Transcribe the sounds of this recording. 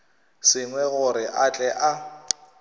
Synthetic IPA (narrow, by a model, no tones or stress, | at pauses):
sɪŋwɛɣʊɾɪʔat͡ɬʼɛʔa